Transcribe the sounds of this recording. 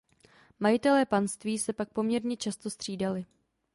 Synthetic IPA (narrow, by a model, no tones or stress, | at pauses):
majɪt̪ɛlɛːpanst̪viːsɛpak̚po̞mɲɛɾɲɛt͡ʃast̪o̞st̪r̝̥iːdalɪ